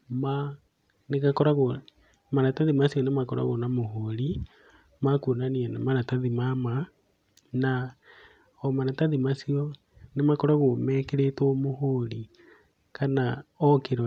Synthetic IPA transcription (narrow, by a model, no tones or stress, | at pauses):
ma | neɣakɔɾaɣo | maɾataðimasiɔnemakɔɾa̰ɣonamoɦoɾi | makuonanianamaɾataðimama | na | ɔmanataðimasiɔ | nemakɔɾaɣomɛkeɾetomohoɾi | kanaɔkeɾ